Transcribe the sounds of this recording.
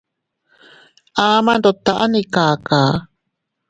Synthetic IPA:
ʔaːmand̪ot̪aʔanikaːkaː

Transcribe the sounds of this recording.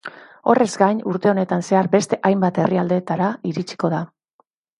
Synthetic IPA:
o̞̰re̞zɡajɲuɾt̪e̞o̞ne̞t̪anse̞aɾbe̞st̪e̞ʔajmbat̪e̞riald̪e̞t̪aɾaiɾit͡ʃi̥ko̞ð̞a

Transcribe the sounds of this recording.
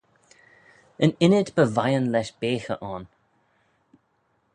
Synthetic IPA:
ənɪnɪdbəvajənlɛʃb̥eːxəʔɑn

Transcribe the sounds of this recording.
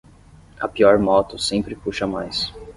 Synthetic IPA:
ɐpiɔɾmɔt̪ʊsẽpɾɪpuʃɐmajs

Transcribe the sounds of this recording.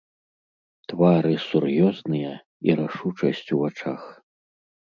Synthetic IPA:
t̪vaɾɨsurjɔznɨjɐ | iɾaʂut͡ʂɐsʲt͡sʲuvat͡ʂax

